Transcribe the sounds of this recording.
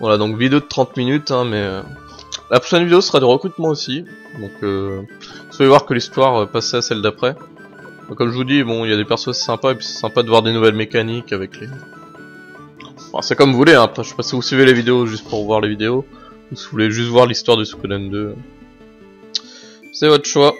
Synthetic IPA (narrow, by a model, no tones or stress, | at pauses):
vwalad̪ɔ̃kvid̪eod̪ət̪χɑ̃t̪minyt̪ɛ̃mɛø | lapχɔ̥ʃɛnvid̪eosəsəʁad̪yʁəkχyt̪mɑ̃osi | d̪ɔ̃kø | uzulevwaʁkəlist̪waʁøpasɛasɛld̪apχɛ | bakɔmʒəvud̪ibɔ̃iljad̪epɛʁsoase̥sɛ̃paepɥi̥sɛ̥sɛ̃pad̪əvwaʁd̪enuvɛlmekanikavɛkle | fã̰sɛkɔmvuleɛ̃apχɛʃʃɛ̥pasivusɥivelevid̪eoʒyst̪̚puʁvwaʁlevid̪eo | usivuleʒyst̪vwaʁlist̪waʁd̪ysu̥kɛd̪ɛnd̪øø | sɛvɔt̪χə̥ʃwa